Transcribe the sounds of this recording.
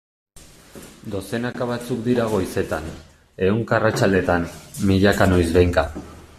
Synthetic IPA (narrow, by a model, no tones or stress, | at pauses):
d̪o̞se̞nakaβat͡sukd̪iɾaɣ̞o̞jse̞t̪an | e̞uŋkarat͡sald̪e̞t̪anmiʎakanojzβe̞jŋka